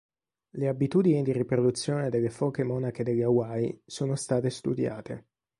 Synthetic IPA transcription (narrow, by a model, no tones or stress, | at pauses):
leabit̪uːd̪inid̪iripɾod̪ut̪sːjoːned̪elːefɔkemɔːnak̟ed̪eʎːawajsoːnost̪aːt̪est̪ud̪ja̰ːt̪e